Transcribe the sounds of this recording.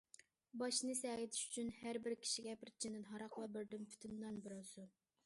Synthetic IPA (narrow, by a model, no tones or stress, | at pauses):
bɑʃnɨsɛʁɪt̪ʰɪ̥ʃy̥t͡ʃʰynhæɾbɪɾkʲʰi̥ʃiɡʲɛpʰɪɾt͡ʃʰind̪ɪnɦɑɾɑqvɛbɪɾd̪ɪmpʰy̥t̪ʰynd̪ɑnbɪɾɑsu